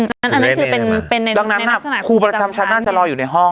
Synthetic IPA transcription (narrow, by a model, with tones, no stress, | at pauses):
ʔa˨˧nːa˦˥nʔa˧nː˥kʰɯː˧pe˧npe˧nːa˧d̪a˧ŋna˦˥na˦˥˩a˩kʰuː˧pɾa˧t͡ɕa˧mt͡ɕʰa˦˥naː˥˩t͡ɕa˨˩ʔlɔː˧juː˨˩na˧jɦɔ˥˩ŋ